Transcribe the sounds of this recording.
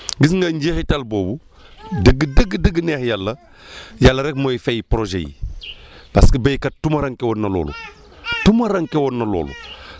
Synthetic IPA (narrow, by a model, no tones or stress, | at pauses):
ɡis̬ŋɡɐɲɟeːxitalboːbu | dəɡːədəɡədəɡːənexjalːɐ | jalːɐɾɛk̚mojfejipɾoʒḛjḭ | paskibejkɐtumɐɾaŋkewonːɐlo̰ːlṵ | tumɐɾaŋkewonːɐlo̰ːlṵ